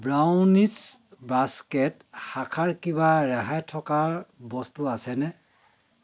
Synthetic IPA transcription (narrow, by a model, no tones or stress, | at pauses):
bɹawnisbaskɛt | hakʰaɹkibaɹɛɦajtʰɔkaɹbɔstuasɛnɛ